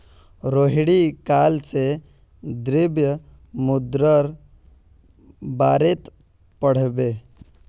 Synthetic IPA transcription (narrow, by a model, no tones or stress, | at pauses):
ɾoːɦɽikaːlse | d̪ɾɪbjə | mʊd̪ɾəɾ | baːɾet̪ | pəɽ̤beː